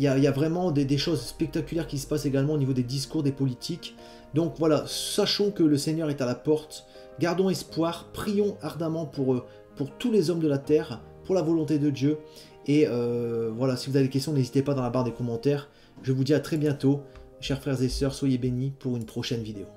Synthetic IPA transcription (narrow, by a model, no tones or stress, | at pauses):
ljailjavʁɛmɑ̃d̪ed̪eʃozspɛk̚t̪akʲyljɛʁkʲisə̥paseɡalmɑ̃onivod̪ed̪is̬kuʁd̪epɔlit̪ʰik | d̪ɔ̃kvwalasaʃɔ̃kələseɲœʁɛt̪alapɔʁt̪ | ɡaʁd̪ɔ̃ɛspwaʁpχijɔ̃aʁd̪amɑ̃puʁ | puʁt̪ulezɔmd̪əlat̪ɛʁ | puʁlavɔlɔ̃t̪ed̪əd̪jø | eøvwalasivuzavedekʲɛs̬t̪jɔ̃nezit̪epad̪ɑ̃labaʁd̪ekɔmɑ̃t̪ɛʁ | ʒəvud̪iat̪χɛbjɛ̃t̪o | ʃɛʁfχɛʁzesœʁswajebenipuʁynpχɔʃɛnvid̪eo